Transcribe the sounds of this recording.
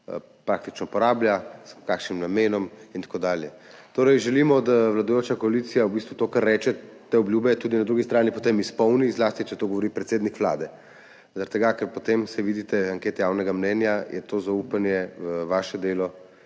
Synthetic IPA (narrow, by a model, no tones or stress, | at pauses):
pɾak̚t̪it͡ʃnɔpɔɾaːbljaskaːkʃnimnameːnɔmint̪ḁkoːd̪aːljɛ | t̪oːɾɛjʒɛlimɔd̪aʋlad̪ɔjoːt͡ʃakɔalit̪sijaubist̪ʋut̪okaɾːɛːt͡ʃɛt̪eɔbljuːbɛjt̪uːd̪inad̪ɾuɡist̪ɾaːnipɔt̪eːmispɔwnizlaːst̪it͡ʃɛt̪oɡɔʋoɾipɾɛt̪seːd̪nikʋla̰ːd̪ɛ | zɐɾɛt̪ːɛɡakɛɾpɔt̪emsɛʋiːd̪it̪ɛaŋkeːt̪ɛjawnɛɡamnɛnjajɛt̪ozaupanjɛʋaːʃɛd̪eːlɔ